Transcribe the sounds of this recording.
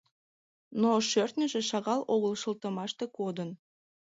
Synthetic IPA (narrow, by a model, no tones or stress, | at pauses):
noʃørt̪nʲəʒeʃɑɣɑloɣəlʃəlt̪ə̆mɑʃt̪e̽kod̪ən